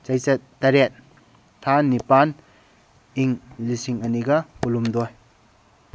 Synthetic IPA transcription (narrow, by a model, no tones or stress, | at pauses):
t͡ʃɐjsɐt̚tːɐɾet̚ | tʰːanipan | iŋlisiŋɐniɡɐpulumdoj